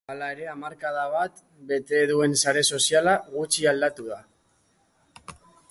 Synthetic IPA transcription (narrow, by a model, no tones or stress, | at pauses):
alae̞ɾe̞amaɾkaðaβ̞at̪ | be̞t̪e̞ðue̞nsaɾe̞so̞sialaɣut͡ʃiald̪at̪uða